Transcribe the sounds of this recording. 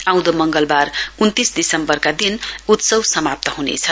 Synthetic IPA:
ãw̃d̪omʌŋɡʌlbarunt̪isd̪isʌmbʌrkad̪inut̪sʌwsʌmap̚t̪ʌɦunḛt͡sʰʌ

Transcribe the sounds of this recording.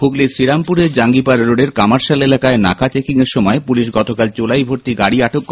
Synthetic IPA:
uklesɾiɾampuɾeɾd͡ʑaŋɡipaɾɾoɖeɾkamaɾʃalelakaena̰kat͡ɕekiŋeɾʃɔmɔepuliʃɡɔt̪okalt͡ɕolajbʱoɾt̪iɡaɽiaʈokː

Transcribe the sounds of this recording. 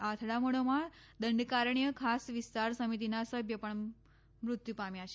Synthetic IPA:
at̪ʰɽaməɽ̃omãd̪əɳɖkaɾɳijəkʰasʋist̪aɾsəmit̪̬inasəbʱjəpəɳ | mɾut̪jupamjat͡ʃʰe

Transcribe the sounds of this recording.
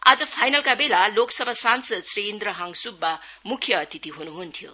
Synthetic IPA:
a̰d͡ʒɐpʰajnɐlkabelaloksɐbʱasansɐt̚sɾend̪ɾɐɦaŋsub̚ɐ | mukʰːijɐːtʰitiɦonuɦontʰijṵ

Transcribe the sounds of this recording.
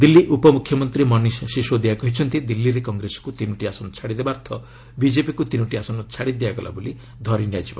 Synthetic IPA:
d̪ilːiʔupɔmukʰjɔmɔnt̪ɾimɔnisːiʃod̪iaɡɔɦit͡ʃʰɔnt̪id̪ilːiɾekɔŋɡɾesɔ̥kut̪inuʈiasɔnɔt͡ʃʰaɽid̪ebaɾt̪ʰɔ | bid͡ʒepikut̪inuʈiasɔnɔt͡ʃʰaɽid̪iaɡɔlʔa̰boli | d̪ʱɔɾinjad͡ʒiba̰

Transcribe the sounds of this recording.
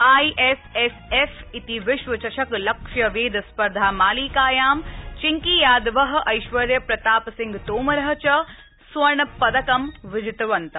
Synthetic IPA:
aːiʔesesefit̪iʋɪʃʋɐt͡ʃɐʃɐklɐkʃjɐʋeːd̪ɐspɐɾd̪ʱaːmaːliːkaːjaːmt͡ʃɪŋkijaːd̪ʋɐɦɐ̆ʔɐjʃʋɐɾjɐpɾɐt̪aːpsɪŋɡt̪oːmɐɾɐɦɐ̆t͡ʃɐ | sʋɐɳɐpɐd̪ɐkɐmʋɪd͡ʒɪt̪ɐʋɐnt̪ɐ

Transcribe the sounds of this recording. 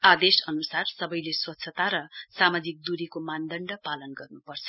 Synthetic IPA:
ad̪esʌnusarsʌbʌjleswʌt̪ːsʰʌt̪aɾʌsamad͡zik̚d̪uɾikomand̪ʌɳɖʌpalʌnɡʌrnupʌrt͡sʰʌ

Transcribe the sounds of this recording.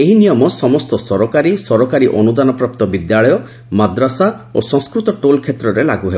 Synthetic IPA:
eɦinijɔmɔsɔmɔst̪ɔsɔɾɔkaɾisɔɾɔkaɾiʔɔnud̪anɔpɾɔp̚t̪ɔbid̪jaɭɔjɔ | mad̪ɾɔsaosɔ̃ŋskɾut̪ɔʈolkʰet̪ɾɔɾelaɡuɦebɔ

